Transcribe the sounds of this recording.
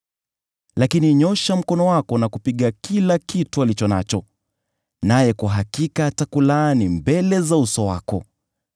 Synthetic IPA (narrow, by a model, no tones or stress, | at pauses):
lakiniɲɔʃam̩kɔnɔwakɔnakupiɠakilakitualit͡ʃɔna̰t͡ʃɔ | najɛkwaɦakikatakulanimbɛlɛzausɔwa̰kɔ̰